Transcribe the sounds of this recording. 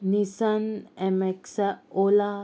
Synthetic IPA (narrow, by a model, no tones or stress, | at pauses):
nisənɛmeksaola